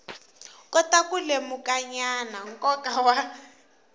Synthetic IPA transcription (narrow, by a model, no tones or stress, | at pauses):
kʼɔtakulemukʼaɲanaŋkʼɔkʼawa